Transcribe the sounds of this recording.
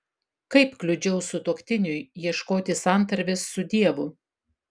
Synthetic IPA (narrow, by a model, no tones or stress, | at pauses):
kɐɪpklʲʊd͡ʒʲɛʊsʊt̪oːkʲt̪ʲɪnʲʊjjiɛʃkoːt̪ʲɪsɑˑnt̪ɐɾʲʋʲɪsːʊd̪ʲiɛʋʊ